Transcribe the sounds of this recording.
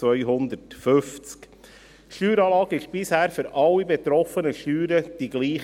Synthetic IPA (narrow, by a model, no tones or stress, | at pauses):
ʋœʏjɦʊnd̪ətføft͡sk | ʃyːɾɑːlɑːɡɪʃb̥ɪshæːɾfʏɾʔɑlːibet̪ɾɔfənəʃtyːɾəd̥iɡ̥liːχ